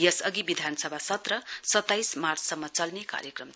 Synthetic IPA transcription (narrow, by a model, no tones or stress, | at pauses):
jʌsʌɡibid̪ʱanʌsʌbʱasʌt̪rʌsʌt̪ːajsmart͡sʰsʌmːʌt͡sʌlneka̰ɾjʌkrʌm